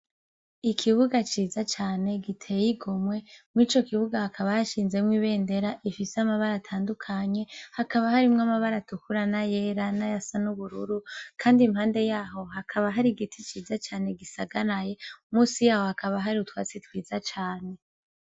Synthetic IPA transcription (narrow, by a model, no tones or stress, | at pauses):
ikʰiβuɡat͡ʃiːzat͡ʃaːne̞ɡitʰe̞jiɡomwe̞muit͡ʃo̞kiβuɡahakʰaβajaʃiːnze̞mŋwiβe̞ːnde̞ɾaʔifiseamaβaɾatʰaːndukʰaɲe̞hakaβahaɾimŋamaβaɾatukuɾanajeːɾanajasanuβuɾṵɾukʰaːndimhaːnde̞jaːɦo̞ɦakʰaβaɦaɾiɡitʰit͡ʃiːzat͡ʃaːne̞ɡisaɡaɾaje̞umuːsijaːho̞hakʰaβaɦaɾiutwa̰ːt͡sitwiːzat͡ʃaːne̞